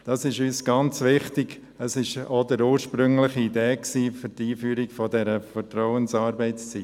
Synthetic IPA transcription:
d̥ɑsɪʃyːsɡ̥ɑnt͡sʋɪχtɪɡ | əsɪʃodəɾuːɾʃpɾʏŋlɪχiideːksiːfʏtiːfyːɾiɡ̥fɔdɛɾəfətɾɔʊənsɑːɾbɛɪt͡st͡sit

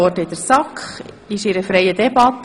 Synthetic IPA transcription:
ɔɾdəɪd̥̪əɾsɑkχ | ɪʃɪɾəfɾɛjədɛbɑt̪

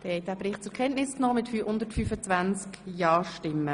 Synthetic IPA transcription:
tɛhɛjt̚d̥æːbɾɪχt̚t͡sʊɾkʰɛntnɪsknɔːmɪtfyhʊnd̪ətfyːfət͡svænt͡skjɑːʃʃtɪmːə

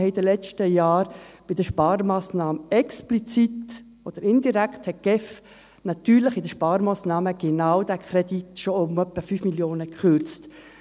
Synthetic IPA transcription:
hɛid̥̪əlɛt͡ʃtəjɑːɾb̥ɪd̪əʃpɑːɾmaːsnɑːməɛksplit͡sit̪ | od̥̪əɾɪnd̪iɾækt̪hɛt̚ɡ̥ɛf | nɑt̪yːɾlɪχɪdəʃpɑːɾmaːsnɑːməɡ̥enaʊd̪ækʰɾɛd̥it̪ʃoʊmœpːəfyːfmiljoːnəkχøɾt͡st

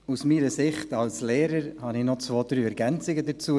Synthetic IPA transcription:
usmiːɾəsɪχtɑlslɛːɾəɾhɑnɪχnɔt͡svoːd̪ɾyːɛɾɡɛnt͡sɪɡədət͡suə

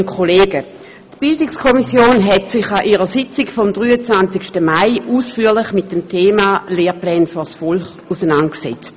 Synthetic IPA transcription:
nkʰoleːɡə | tb̥ɪldɪkskʰɔmisjoːnɦɛtsɪχaʔiːʁəsɪt͡sɪkfɔmdʁyːət͡svant͡sɪkʃtəmaɪuːsfyːɐlɪχmɪt̚d̥emtʰeːmaleːɐplɛːnfyɐsfɔlχ | usənantksɛ̰t͡st

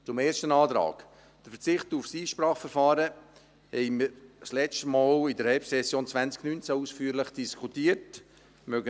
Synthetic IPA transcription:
t͡sʊmeːʃtənɑːtɾɑ̰ːk | d̥əfət͡sɪχtufsiːʃpɾɑːχfəɾfɑːɾə | hɛɪmiːɾslɛstmɑːlɪdəɾhɛlpsɛsjoːnt͡svænt͡sknynt͡sausfyːɾləχd̥iskʰutiːət | mœɡə

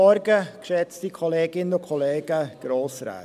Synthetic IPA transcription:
ɔɾɡəkʃɛt͡stikʰoleːɡɪnʊkʰoleːɡ̥əɡ̥ɾoːsɾa̰ː

